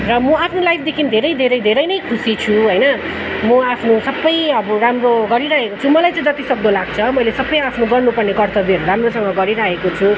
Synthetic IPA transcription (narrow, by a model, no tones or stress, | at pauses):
rʌmʌapʰnolajpʰd̪ekʰinid̪ʱeɾʌjd̪ʱeɾʌjd̪ʱeɾʌjnʌjkʰusit͡sʰuɦʌjnʌ | mʌapʰnosʌbːʌjʌbʌramroɡʌɾiɾaɦekot͡sʰumʌlajt͡sãj̃d͡zʌt̪isʌk̚d̪olaɡ̚t͡sʰʌmʌjlesʌbːʌjapʰnoɡʌrnupʌrnekʌrt̪ʌberramrosʌŋɡʌɡʌɾiɾaɦekot͡sʰu